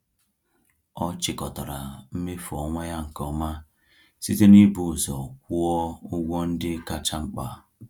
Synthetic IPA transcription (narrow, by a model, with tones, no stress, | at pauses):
ɔ˦t͡ʃɪ˦kɔ˨tɔ˨ɾa˨m̩˦me˦fɔ˨ŋʷa˦ja˦ŋ̩˨kɔ˨ma˦ | si˦te˦ni˦bu˦˨zɔ˨kʷu˦ɔ˦ʊ˦ɡʷɔ˦n̩˦dɪ˦ka˦t͡ʃa˦ŋ͡m̩˦k͡pa˨